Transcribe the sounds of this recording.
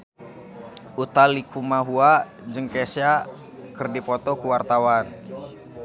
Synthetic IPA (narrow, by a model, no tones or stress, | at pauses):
ʔut̪alikumaɦua | d͡ʒəŋkɛsia | kɨrdipɔt̪ɔkuwart̪awan